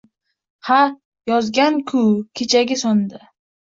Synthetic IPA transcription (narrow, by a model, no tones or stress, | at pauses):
ha | jɒzɡʲankʰʊkʲʰet͡ʃʰaɡʲɪsɒnd̪a